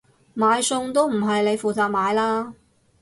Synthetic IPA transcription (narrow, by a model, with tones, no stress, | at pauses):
maː˨˧jsʊ˧ŋt̪o˥wm̩˨˩ɦɐ˨jle˨˧jfuː˨t͡saː˧k̚maː˨˧˥jlaː˥